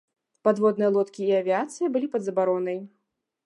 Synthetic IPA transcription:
pad̪vɔd̪nɨjɐlˠɔt̪kʲiːɐvʲiat̪sɨjɐbɨlʲipɐd̪zɐbaɾɔnɐj

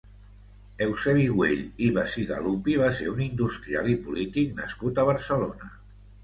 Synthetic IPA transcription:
ɛwseβiɣweʎiβasiɣa̰lupiβ̞aseunind̪ust̪ɾia̰lipulit̪ik̚nə̰skut̪əβ̞əɾsəlonə

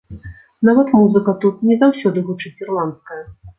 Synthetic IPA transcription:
navɐt̪muzɨkɐt̪ut̪nʲɛzawsʲɔd̪ɨvɨt͡ʂɨt͡sʲirlˠant̪skɐjɐ

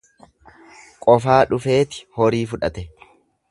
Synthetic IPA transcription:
kʼɔfaːᶑʊfe̞ːt̪ɪ̥hɔɾiːfʊᶑɐt̪ɛ

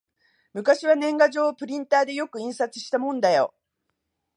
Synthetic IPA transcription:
mɯ̟kaɕiβanẽ̞ŋɡaʑo̞ːpɯ̟ɾʲĩnt̪aːd̪e̞jo̞kɯ̟ĩɰ̃sat͡sɨ̥ɕi̥t̪amõ̞nd̪ajo̞̰

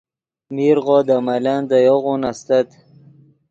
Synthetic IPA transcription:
miɾʁoːd̪amaland̪ajoɣunast̪at̪

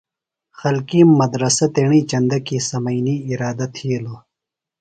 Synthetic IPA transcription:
xɐlkiːmmːɐd̪ɾɐsɐt̪eːɳiːt͡ɕɐnd̪ɐkiːsɐmɐiniːɾaːd̪ɐt̪ʰiːlo

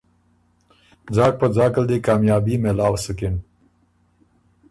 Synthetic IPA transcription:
d͡zɑːk̚pəd͡zɑːkəld̪ekɑːmjɑːbimelɑːwsəkɪɳ

